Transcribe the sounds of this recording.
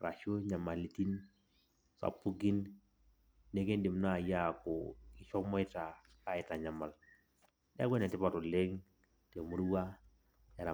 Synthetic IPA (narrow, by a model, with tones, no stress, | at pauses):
ɾa̰˨ʃo˦ɲa˨ma˨li˨ti˦n | sa̰˨pːu˦ɡi˦nː | e˦ke˦ndi˨mna˦˨ja˦˨kɔ˨ɪ˨t͡ʃɔ˦mɔ˦ɪ˦ta˨ | ka˦ɪ˨ta˨ɲa˨ma˨l | dɛ˦a˦ɡwʷe˦nɛ˨tɪ˦pa˨to˨le˦ŋ | te˨mu˦ɾwa˦ | ja˨ɾa˨